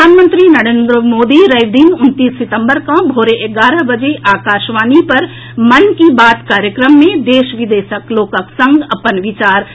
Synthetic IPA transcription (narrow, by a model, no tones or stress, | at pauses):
aːnmə̃nt̪ɾinɐɾẽːnd̪ɾəmoːd̪iɾəɪʋd̪iːnʊnt̪iːsːɪt̪ə̃mbəɾkãbʱoːɾeʔeɡaːɾəɦbɐd͡ʒeʔaːkaːʃʋaːnipɐɾ | mɐnkibaːt̪kaːɾjəkɾəmːẽd̪eːʃʋɪd̪eːʃəkloːkəksə̃ŋɡɐpənʋɪt͡ʃaːɾ